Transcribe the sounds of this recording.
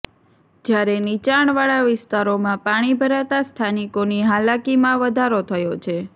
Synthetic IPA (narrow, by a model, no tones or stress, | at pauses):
d͡ʒjaɾenit͡ʃaɳ̃ʋaɭaʋɪst̪aɾomãpaɽ̃ibʱəɾat̪ast̪ʰanikoniɦalakimãʋəd̪ʱaɾot̪ʰəjot͡ʃʰe